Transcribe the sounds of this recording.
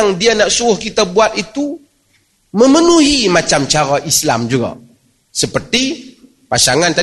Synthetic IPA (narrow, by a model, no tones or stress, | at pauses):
ŋdianaʔsuɾʊhkit̪abuat̪̚it̪u | məmənuɦimat͡ʃamt͡ʃaɾaʔisla̰md͡ʒuɡa̰ | səpərt̪i | paʃaŋant̪a